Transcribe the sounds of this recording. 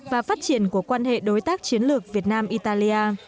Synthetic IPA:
vaː˨˩faː˦˥t̚t͡ɕi˧˩ənku˧˩əkwaː˧nhḛ˧˨ɗo˨˦jt̪aː˦˥k̚t͡ɕi˨˦ənlɨ˨˩ək̚vi˨˩ət̚naː˧mʔi˧t̪aː˧li˧ʔaː˧

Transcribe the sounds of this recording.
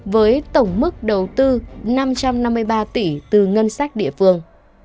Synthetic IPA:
vəː˨˦jt̪ə˧˩wŋ͡mmɨ˦˥k̚ɗə˨˩wt̪ɨ˧na˧mt͡ɕa˧mna˧mːɨ˧əjɓaː˧t̪i˧˩t̪ɨ˨˩ŋə˧nsaː˦˥k̚ɗḭ˧˨əfɨ˧əŋ

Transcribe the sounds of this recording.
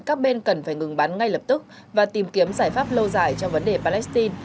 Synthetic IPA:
kaː˦˥k̚ɓe˧nkə˨˩nfaː˧˩jŋɨ˨˩ŋɓaː˨˦nŋa˧jləː˨˩p̚t̪ɨ˦˥k̚ | vaː˨˩t̪i˨˩mki˨˦əmzaː˧˩jfaː˦˥p̚lə˧wzaː˧˩jt͡ɕɔ˧ŋ͡mvə˨˦nɗe˨˩paː˧lɛ˦˥st̪i˧n

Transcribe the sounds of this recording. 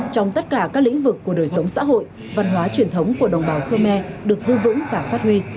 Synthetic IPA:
t͡ɕɔ˧wŋ͡mt̪ə˦˥t̚kaː˧˩kaː˦˥k̚lḭ̈˧˥ŋ̟vɨ˨˩kːu˧˩əɗo˨˩jsə˨˦wŋ͡msa̰ː˧˥ɦo̰˧˨j | va˧˩nɦwaː˨˦t͡ɕwi˨˩ənt̪ʰə˨˦wŋ͡mku˧˩əɗə˨˩wŋ͡mɓaː˨˩wxəː˧mɛ˧ɗɨ˨˩ək̚zɨ˧vɨ̰˧˥ŋvaː˨˩faː˦˥t̚hwi˧

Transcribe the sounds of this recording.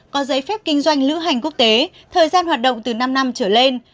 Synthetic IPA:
kɔ˨˦zə˨˦jfɛ˦˥p̚kï˧ŋ̟zwa˧jŋ̟lɨ̰˧˥ɦa˨˩jŋ̟k̬u˦˥ək̚t̪e˨˦ | t̪ʰəː˨˩jzaː˧nhwaː˨˩t̚ɗə̰˧˨wŋ͡mt̪ɨ˨˩na˧mna˧mt͡ɕəː˧˩le˧n

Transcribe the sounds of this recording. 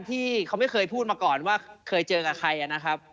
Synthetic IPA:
nt̪ʰiː˥˩kʰa˦˥wma˥˩jkʰɤː˧jpʰuː˥˩t̪̚maː˧kɔː˨˩nwaː˥˩kʰɤː˧jt͡ɕɤː˧ka˨˩kʰɾa˧jʔa˨˩na˦˥kʰa˦˥p̚

